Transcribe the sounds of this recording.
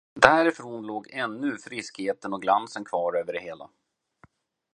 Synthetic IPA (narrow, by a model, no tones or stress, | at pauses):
d̪æːɾɪfɾoːnloːɡɛnːɵfɾɪskheːt̪ənɔɡlansənkʰvɑːɾøːvəɖɛheːla̰